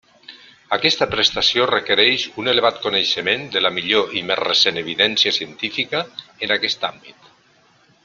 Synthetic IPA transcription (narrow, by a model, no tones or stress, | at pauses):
akɛst̪əpɾest̪asiorekəɾɛʃuneleβat̪koneʃəmend̪əlamiʎoʔimesreseneβ̞iðɛnsiasiənt̪ifikəːnakɛst̪ambit̪